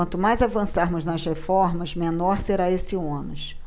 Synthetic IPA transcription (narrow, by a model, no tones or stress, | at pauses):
ɐ̃nt̪ʊmajzavɐ̃saɾmʊznɐʃhefɔɾmɐzmẽnɔɾseɾaesɪõnʊʃ